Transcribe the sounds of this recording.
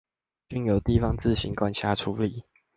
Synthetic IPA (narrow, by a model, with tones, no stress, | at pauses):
t͡ɕy˥˨njo˨˩˦ʊt̪i˥˨fɑ˦ŋt͡sɹ̩˥˨ɕi˨˦ŋkwa˥˦nɕʰja˥ʈ͡ʂʰu˨˧˦li˨˩˦